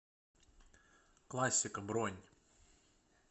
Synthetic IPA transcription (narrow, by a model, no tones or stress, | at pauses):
klˠasʲːɪkɐbɾɔnʲ